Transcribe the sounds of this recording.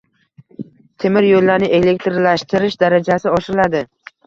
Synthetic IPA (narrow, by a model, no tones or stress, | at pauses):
t̪ʰe̞mɪɾjolːaɾnɪʔe̞le̞k̚ʲt̪ɾlaʃt̪ʰɪɾɪʃd̪aɾad͡ʒasɪɒʃɪɾɪlad̪ɪ